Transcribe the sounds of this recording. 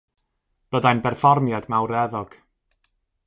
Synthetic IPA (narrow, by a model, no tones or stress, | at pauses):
b̥ədajnbɛrfɔrmjadmawɾɛðɔɡ̥